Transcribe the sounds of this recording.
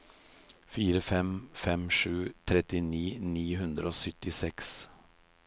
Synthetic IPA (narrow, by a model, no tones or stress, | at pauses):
fiːɾəfɛmfɛmʂʉːt̪ʰɾɛt̪ɪniːniːɦʉnd̪ɾəoːsʏt̪ːɪsɛks